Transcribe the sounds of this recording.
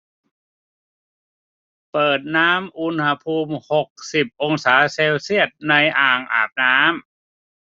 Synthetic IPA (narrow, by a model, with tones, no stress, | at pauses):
pɤː˨˩t̪̚naː˦˥mʔu˧nha˧pʰuː˧mho˨˩k̚si˨˩p̚ʔo˧ŋsaː˩˦seː˧wsi˥˩ət̪̚na˧jʔaː˨˩ŋʔa̰ː˨˩p̚naː˦˥m